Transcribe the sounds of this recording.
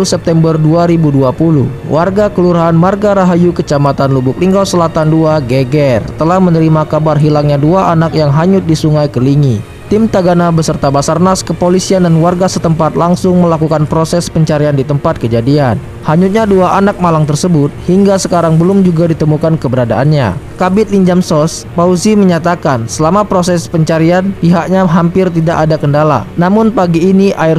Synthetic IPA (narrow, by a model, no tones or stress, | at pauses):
ulsɛp̚t̪ɛmbərduaɾibuduapulṵh | wʔarɡakəluɾaɦanmarɡaɾaɦajukət͡ʃamat̪anlubʊk̚liŋɡawsəlat̪anduaɡeɡɛrt̪əlahmənəɾimakabarɦilaŋɲaduaʔanak̚jaŋɦaɲʊt̪̚disuŋajkəliŋi | t̪imt̪aɡanabəsərt̪abasarnaskəpolisiandanwarɡasət̪əmpat̪laŋsʊŋməlakukanpɾosɛspəɲt͡ʃaɾiandit̪əmpat̪̚kəd͡ʒadian | haɲʊt̪̚ɲaduaʔanak̚malaŋt̪ərsəbʊt̪̚hiŋɡasəkaɾaŋbəlʊmd͡ʒuɡadit̪əmukankəbəɾadaʔanɲa̰kabɪt̪̚liɲd͡ʒamsɔspausiməɲat̪akansəlamapɾosɛspəɲt͡ʃaɾianpiɦakɲaɦampɪrt̪idaʔadakəndala̰namʊnpaɡiːniʔaɪr